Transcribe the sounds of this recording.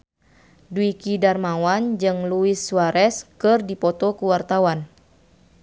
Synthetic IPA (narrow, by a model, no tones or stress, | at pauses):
duikidarmawand͡ʒɨŋluisːuaɾʔɛskɨrdipɔt̪ɔkuwart̪awan